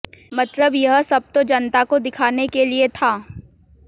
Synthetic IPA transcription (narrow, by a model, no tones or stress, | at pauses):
mɐt̪ləbjɐɦsɐb̚t̪od͡ʒɐnt̪akod̪ɪkʰaːnekeliet̪ʰaː